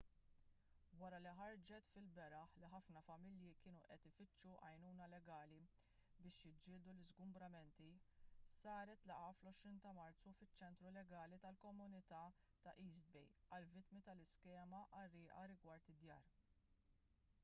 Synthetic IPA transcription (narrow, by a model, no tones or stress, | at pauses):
wɐɾɐliħɐɾd͡ʒɛt̪fɪlbɛɾɐħliħɐfnɐfɐmɪljikɪːnuʔɛt̪ɪfɪt͡ʃːuʔɐjnuːnɐlɛɡɐːli | bɪːʃjɪd͡ʒːɪːld̪ulɪzɡʊmbɾɐmɛnt̪isɐːɾɛt̪lɐʔɐflɔʃɾiːnt̪ɐmɐɾt͡sːufɪt͡ʃːɛnt̪ɾulɛɡɐːlit̪ɐlkɔmʊnɪt̪ɐ | t̪ɐʔiːzd̪̚bɛjɐlvɪt̪mit̪ɐlɪskɛːmɐʔɐrːɪːʔɐɾɪɡwɐɾt̪ɪd̪jɐ̰ːɾ